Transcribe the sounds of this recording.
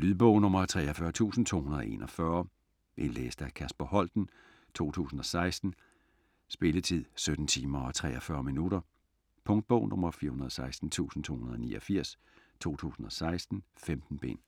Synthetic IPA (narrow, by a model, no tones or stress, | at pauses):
lyðˠb̥ɔʊ̰nɔ̽mɐt͡sʰʁɛ̰ːɒfɶɐt͡sʰṵːsn̩t͡sʰo̝̰ːhunɐðˠe̝̰nʔɒ̽fɶɐ | ʔe̝nlḛːsd̥ækʰæsb̥ɐhɒ̽l̰d̥n̩ | t͡sʰo̝̰ːt͡sʰṵːsn̩ɒ̽sɑ̈ɪsd̥n̩ | sb̥e̝lət͡sʰið̰ˠsød̥n̩t͡sʰiːmɐɒ̽t͡sʰʁɛːɒfɶːɐminuɾɐ | pʰɔ̽ŋd̥̚b̥ɔʊ̰nɔ̽m̰ɐfiːɐhunɐðˠsɑ̈ɪsd̥n̩t͡sʰṵːsn̩t͡sʰo̝̰hunɐð̩ˠɒnḭːɒfiɐ̰s | t͡sʰo̝̰ːt͡sʰṵːsn̩ɒ̽sɑ̈ɪsd̥n̩femd̥n̩b̥e̝̰n